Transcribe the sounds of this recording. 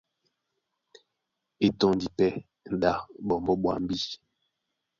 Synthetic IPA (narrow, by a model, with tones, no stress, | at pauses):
e˨tɔ˨n˨di˨pɛ˦ | n̩˨da˨bɔ˨mbɔ˦ɓwa̰˨m̩˦bi˦